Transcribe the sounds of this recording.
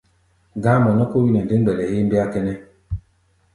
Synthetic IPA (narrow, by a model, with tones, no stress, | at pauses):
ɡã˦mɔ˨nɔ˦ko˦wi˦nɛ˨de˦n̩˦bɛ˨lɛ˨hi˦mbi˦a˦kɛ˦nɛ˦